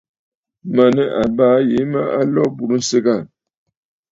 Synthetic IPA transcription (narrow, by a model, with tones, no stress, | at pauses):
ma˨nə˦ʔa˨baː˦je˨˦mə˦ʔa˦lɔ˦bu˨ɾu˦n̩˦sə˦ɡa˦˨n